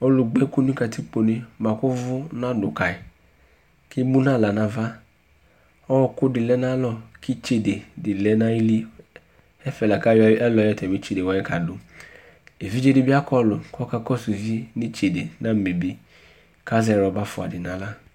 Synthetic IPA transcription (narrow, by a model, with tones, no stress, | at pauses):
ɔ˦lʊ˨ɡ͡be˦ko˦nu˦ka˨ti˦k͡po˨ne˦ma˨kʊ˦vʊ˦na˦dʊ˨ka˨ɪ˨ | ki˦mu˦na˦˨la˨na˨va˦ | ɔ˦˨˦kʊ˦dɪ˨lɛ˦na˦lɔ˦kʰi˦t͡ʃe˨de˨dɪ˨lɛ˦na˦i˦li˦ | ɛ˦fɛ˨la˨ka˦jɛ˦lɔ˨˦jɔ˦tɛ˨mi˦t͡ʃe˨de˨wa˨˦ɛ˦ka˨dʊ˨ | e˨vi˦d͡ʒe˦di˨bi˦a˦kɔ˦lʊ˨kɔ˦ka˦kɔ˦su˨vni˦t͡ʃe˨de˨na˦me˨bi˦ | ka˦zɛ˨ɾɔ˨ba˦fʊ˨a̰˨dɪ˨na˨la˦